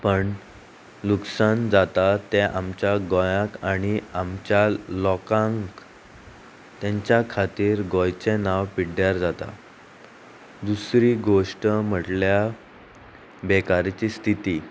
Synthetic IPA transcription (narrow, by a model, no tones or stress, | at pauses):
pəɳ | luksand͡zat̪at̪eʔamt͡ɕjaɡɔjãkaɽ̃iamt͡ɕjalɔkãŋk | t̪jãɲt͡ɕjakʰat̪iːɾɡɔjt͡senaʋpiɽjaɾd͡zat̪a̰ | d̪usɾiːɡoʂʈəm̤əʈlja | bekaɾt͡ɕiːst̪ʰit̪iː